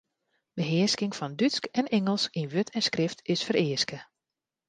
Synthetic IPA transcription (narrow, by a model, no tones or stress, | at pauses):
bəɦɪəskɪŋfɑndytskɛnɛŋəlˠsinʋøtʰɛnskrɪftɪsfərɪəskə